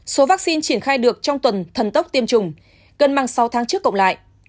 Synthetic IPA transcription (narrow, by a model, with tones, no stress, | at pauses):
so˨˦vaː˦˥k̚si˧nt͡ɕi˧˩ənxaː˧jɗɨ˨˩ək̚t͡ɕɔ˧wŋ͡mt̪wə˨˩nt̪ʰə˨˩nt̪ə˦˥wk͡p̚t̪i˧əmt͡ɕʊ˨˩ŋ͡m | ɣə˨˩nma˨˧˩ŋsa˨˦wt̪ʰaː˨˦ŋt͡ɕɨ˦˥əkːə̰˧˨ŋ͡mla̰ː˧˨j